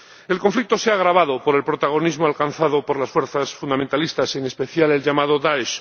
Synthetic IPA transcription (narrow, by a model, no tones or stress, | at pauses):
e̞lko̞ɱflik̚t̪o̞seaɣ̞ɾaβaðopoɾe̞lpɾot̪aɣ̞o̞nizmoalkan̟θaðopoɾlasfweɾθasfund̪ament̪alist̪ase̞ŋespe̞θjale̞lʝamað̞oðaeʃ